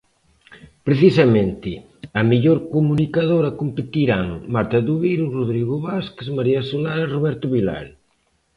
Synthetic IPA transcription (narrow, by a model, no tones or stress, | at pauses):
pɾeθisamẽnt̪ɪ | ɐmiʎoɾkomunikaðoɾɐkompet̪iɾaŋmaɾt̪aðuβiluroðɾiɣʊβaskezmaɾiasolaroβɛɾt̪ʊβila̰l